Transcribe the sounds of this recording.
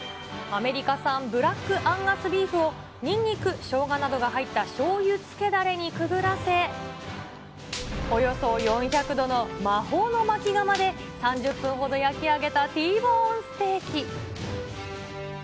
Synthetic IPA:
ame̞ɾʲikasãmbɯ̟ɾakːɯ̟ʔãŋɡasɨbʲiːɸɯ̟o̞ | ɲ̟ĩɲ̟ʲːikɯ̟ɕo̞ːɡanad̪o̞ɡaɦait̪ːaɕo̞ːjɯt͡sɨ̥ke̞d̪aɾe̞ɲ̟ikɯ̟ɡɯ̟ɾase̞ | o̞jo̞so̞jõ̞ɰ̃çakɯ̟d̪o̞no̞maɦo̞ːno̞mat͡ɕiɡamad̪e̞ | sãɲ̟d͡ʑɨpːɯ̟̃ɰ̃ɦo̞d̪o̞jakʲiaɡe̞t̪at̪iːbõːsɨ̥t̪e̞ːkʲi

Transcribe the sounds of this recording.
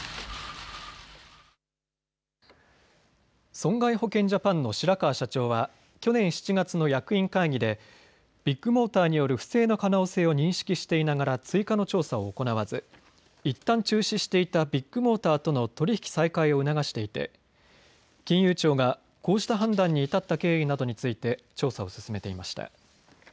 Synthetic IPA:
sõ̞ŋɡaiɦo̞kẽ̞ɲ̟d͡ʑapãnːo̞ɕiɾakaːɕat͡ɕo̞ːβa | kʲo̞nẽ̞ɰ̃ɕi̥t͡ɕiɡat͡sɨno̞jakɯ̟ĩŋkaiɡʲid̪e̞ | b̥ʲikːɯ̟mo̞ːt̪aːɲ̟ijo̞ɾɯ̟ɸɯ̟̥se̞ːno̞kano̞ːse̞ːo̞ɲ̟ĩɰ̃ɕi̥kʲiɕi̥t̪e̞inaɡaɾat͡sɨikano̞t͡ɕo̞ːsao̞ːko̞naβ̞azɨ | it̪ːãɲ̟t͡ɕɨːɕiɕi̥t̪e̞it̪abʲikːɯ̟mo̞ːt̪aːt̪o̞no̞t̪o̞ɾʲiçi̥kʲi̥saikaio̞ɯ̟naɡaɕi̥t̪e̞it̪e̞̰ | kʲĩɰ̃jɯːt͡ɕo̞ːɡa | ko̞ːɕi̥t̪aɦãnd̪ãɲ̟ːiːt̪at̪ːake̞ːinad̪o̞ɲ̟it͡sɨit̪e̞ | t͡ɕo̞ːsao̞sɨ̥sɨme̞t̪e̞imaɕi̥t̪a̰

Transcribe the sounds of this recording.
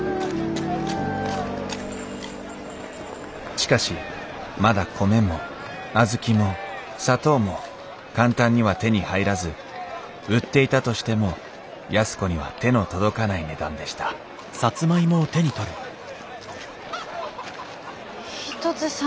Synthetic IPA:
ɕi̥kaɕi | mad̪akʰo̞me̞mo̞ | azɨkʲimo̞ | sat̪o̞ːmo̞ | kãnt̪ãɲ̟ːiβ̞at̪e̞ɲ̟ihaiɾazɨ | ɯ̟t̪ːe̞it̪at̪o̞ɕi̥t̪e̞mo̞ | jasɨ̥ko̞ɲ̟iβa̰t̪e̞no̞t̪o̞d̪o̞kanaine̞d̪ãnd̪e̞ɕi̥t̪ḁ | sat͡sɨmaimo̞t̪e̞ɲ̟it̪o̞ɾɯ̟ | ççi̥t̪ot͡sɨs

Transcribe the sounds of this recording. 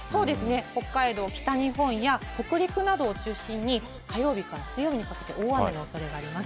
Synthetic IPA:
so̞ːd̪e̞sɨne̞ho̞kːaid̪o̞ːkʲi̥t̪aɲ̟iɦõ̞ɰ̃jako̞kɯ̟ɾʲikɯ̟nad̪o̞ːt͡ɕɨːɕĩɲ̟ːi | kajo̞ːbʲikaɾasɨjo̞mʲiɲ̟ikake̞t̪e̞̰ʔoːβaenooso̞ɾe̞ɡaːɾʲimasɨ̥

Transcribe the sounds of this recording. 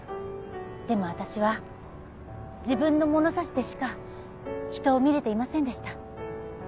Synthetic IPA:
d̪̥e̞mo̞β̞at̪aɕiβa | d͡ʑibɯ̟̃nːo̞mo̞no̞saɕi̥d̪e̞ɕi̥ka | çi̥t̪o̞ːmʲiɾe̞t̪e̞imasẽ̞nd̪e̞ɕi̥t̪a

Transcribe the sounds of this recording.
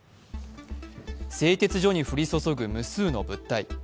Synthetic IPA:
se̞ːt̪e̞t͡sɨʑo̞ɲ̟iɸɯ̟ɾʲiso̞so̞ɡɯ̟mɯ̟sɨːnobɯ̟t̪ːai

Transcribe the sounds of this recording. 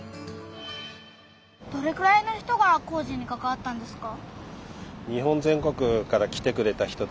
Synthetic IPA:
d̪̥o̞ɾe̞kɯ̟ɾaino̞çi̥t̪o̞ɡako̞ːʑĩɲ̟ːikakaβ̞at̪ːãnd̪e̞sɨ̥ka | ɲ̟iɦõ̞nzẽ̞ŋko̞kɯ̟kaɾakʲi̥t̪e̞kɯ̟ɾe̞t̪açi̥t̪o

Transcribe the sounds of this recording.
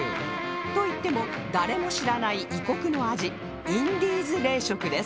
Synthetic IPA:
t̪oit̪ːe̞mo̞ | d̪aɾe̞mo̞ɕiɾanaiʔiko̞kɯ̟no̞aʑi | ĩnd̪ʲiːzɨɾe̞ːɕo̞kɯ̟d̪e̞s

